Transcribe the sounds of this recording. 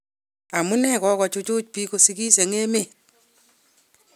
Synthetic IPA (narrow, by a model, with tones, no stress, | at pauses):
a˨mu˦nɛ˦kɔ˦kɔ˨t͡ʃʊ˦t͡ʃʊ˦t͡ʃ̚pi˦ko˦si˦ki˦se˨ŋe˦me˦˨